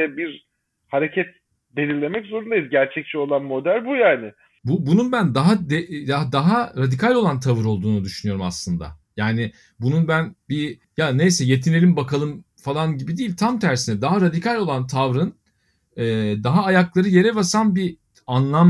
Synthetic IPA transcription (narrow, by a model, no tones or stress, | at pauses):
ɛbiɾ | haɾecʰɛt̪̚ | be̞lʲiɾlʲemɛczo̞ɾund̪ajizɟæɾt͡ʃʰɛc̚t͡ʃʰɛo̞lˠanmo̞d̪ælʲbujaːnɪ | bubununbænd̪aɦad̪ead̪aɦaɾad̪ikʰalʲo̞lˠant̪ʰavɯɾo̞lˠd̪uːnud̪yʃynyjo̞ɾuma̰slˠɯnd̪a̰jaːnɪ | bununbænbi | jane̞jsɛje̞t̪ʰine̞lʲimbakʰalˠɯm | falˠanɟibid̪iːlʲt̪ʰamt̪ʰæɾsinɛd̪aɦaɾad̪ikalʲo̞lˠant̪ʰavɾɯn | ɛːd̪aɦaːjaklˠaɾɯje̞ɾɛbasanbi | anlˠam